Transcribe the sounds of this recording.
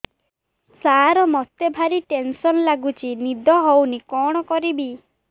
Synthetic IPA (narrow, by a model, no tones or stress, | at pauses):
saɾɔmɔt̪ebʱaɾiʈensɔnlaɡut͡ʃʰinid̪ʱɔɦownikɔɽ̃ɔkɔɾibi